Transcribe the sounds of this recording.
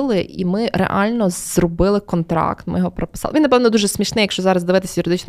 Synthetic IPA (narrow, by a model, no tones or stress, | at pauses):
lˠɪʔḭmɪɾɛ̰ʔɑ̰lʲnɔzrɔbɪlˠɪkɔnt̪ɾɑ̰kt̪mɪ̰jɔɦɔpɾɔpɪ̥sɑlˠɪʋinɐpɛwnɔd̪uʒɛsmʲiʃnɪjɐkʃt͡ʃɔzɑɾɐzd̪ɪʋɪt̪ɪ̥sʲɐjʊɾɪd̪ɪt͡ʃn